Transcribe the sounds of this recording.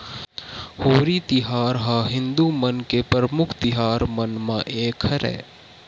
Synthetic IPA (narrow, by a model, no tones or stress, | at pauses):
hoːɾit̪ɪɦaːɾɦaːɦɪ̃nd̪umənkepəɾəmʊkʰt̪ɪɦaːɾmɐnmãʔeːkʰəɾɛ̰ː